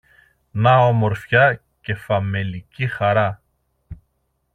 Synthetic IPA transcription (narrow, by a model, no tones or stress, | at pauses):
nɐo̞mo̞ɾfçɐ | ce̞fɐme̞licixɐɾɐ